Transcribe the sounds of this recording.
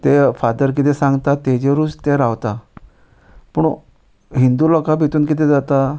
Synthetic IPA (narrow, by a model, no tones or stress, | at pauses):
t̪efad̪əɾk̬it̪esãŋɡt̪at̪ed͡ʑeɾuːd͡zt̪eɾaʋt̪a | pəɳ | ɦind̪ulɔkabʱit̪uːnk̬it̪ed͡zat̪a